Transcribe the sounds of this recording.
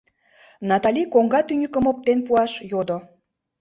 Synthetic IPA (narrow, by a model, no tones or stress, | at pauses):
nɑt̪ɑlʲikoŋɡɑt̪ynʲəkəmop̚t̪enpuɑʃjod̪o